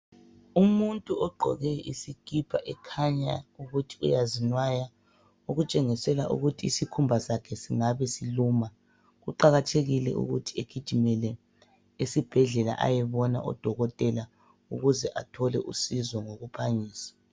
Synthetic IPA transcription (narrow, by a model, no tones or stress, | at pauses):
umuntʼuɔɡ͡ǃʱɔ̰ɣɛisikʼipʰaʔɛkʰaɲa̰uɣutʰi̥ujazinwaja | uɣut͡ʃʼeŋisɛla̰ʔṵɣutʰiːsikʰumbʱasakʰɛsiŋaβɛsiluːma | ɣuǃaɣatʰeɣilɛ̰ʔṵɣutʰi̥eɡ̥ʱid̥ʒ̥ʱimɛlɛ | esib̥ʱɛɮɛla̰ʔa̰jɛβɔna̰ʔɔ̰d̥ʱɔɣɔtʼɛla | uɣuzɛʔatʰɔlɛʔṵsizɔŋoɣupʰaɲiːsḁ